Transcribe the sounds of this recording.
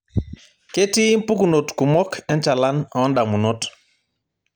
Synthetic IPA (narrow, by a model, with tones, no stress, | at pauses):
ke˦ti˦i˦mpu˦ku˨no˨tku˨mɔ˦kʰɛ˦nt͡ʃa˨la˦n˨ɔ˦nda˨mu˨no˦t